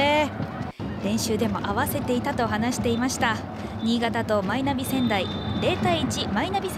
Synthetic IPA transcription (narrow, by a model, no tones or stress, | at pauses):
e | ɾẽ̞ɰ̃ɕɨːd̪e̞mo̞̰ʔaβase̞t̪e̞it̪at̪o̞ɦanaɕi̥t̪e̞imaɕi̥t̪a | ɲ̟iːɡat̪at̪o̞mainabʲisẽ̞nd̪aiɾe̞ːt̪aiːt͡ɕimainabʲi